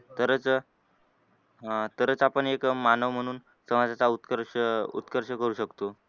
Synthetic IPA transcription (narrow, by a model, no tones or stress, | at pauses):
t̪əɾət͡s | t̪əɾət͡sapəɳekmanəʋm̤əɽ̃uːn | səʋad͡zat͡saut̪kəɾɕəṵt̪kəɾɕəkəɾuːɕəkt̪o